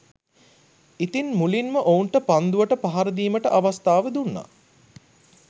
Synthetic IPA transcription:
it̪inmulinməʔouɳʈəpand̪uʋəʈəpaɦaɾəd̪iːməʈəʔaʋast̪aːʋəd̪unːa̰

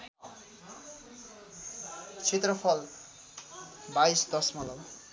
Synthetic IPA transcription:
t͡sʰet̪rʌpʰʌl | baisd̪ʌsmʌlʌw

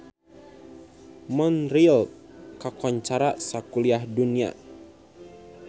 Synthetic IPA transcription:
mɔnɾilkakɔɲt͡ʃaɾasakuliahdunia̰

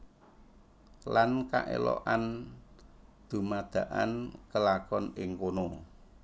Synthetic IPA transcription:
lanka̰ʔḛlɔ̰ʔan | d̪̥ṳmad̪̥a̤ʔankəlakɔnɪŋkono

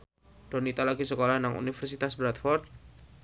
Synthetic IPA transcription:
d̥ɔnit̪alaɡisəkolahnaŋṵnifərsit̪asbɾat̪fɔrt̪̚

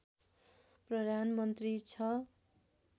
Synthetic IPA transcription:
prʌd̪ʱanmʌnt̪rit͡sʰʌ

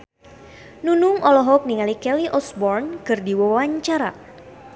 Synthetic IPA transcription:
nunʊŋʔɔlɔɦɔk̚niŋalikɛliʔɔsbɔrnkɨrdiwawaɲt͡ʃaɾa̰

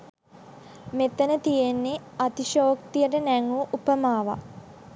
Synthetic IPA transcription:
met̪ənət̪ijenːe | at̪iʃoːkt̪ijəʈənæŋɡuʔupəmaːʋa̰

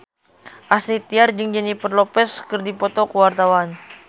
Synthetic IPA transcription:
ʔasɾit̪iard͡ʒəŋd͡ʒɛnipərlɔpɛskərdipɔt̪ɔkəwart̪awan

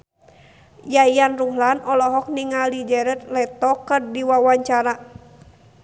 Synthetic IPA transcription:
jajanruɦlanɔlɔɦɔk̚niŋalid͡ʒɛɾɛt̪̚lɛt̪ɔkərdiwawaɲt͡ʃaɾa

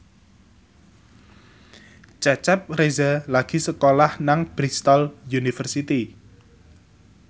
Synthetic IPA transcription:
t͡ʃɛt͡ʃɛp̚rezalaɡ̥i̤səkolahnaŋb̥ɾist̪ɔljunifərsit̪i

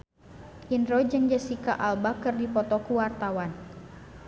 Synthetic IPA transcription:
ʔinrɔd͡ʒɨŋd͡ʒəsika̰ʔalbakɨrdipɔt̪ɔkuwart̪awan

